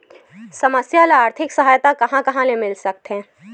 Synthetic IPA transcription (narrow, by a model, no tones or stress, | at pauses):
sɐməsjaleaːɾt̪ʰɪksɐɦaːjt̪akɐɦãkɐɦãlemɪlsɐk̚t̪ɦɛ̃ː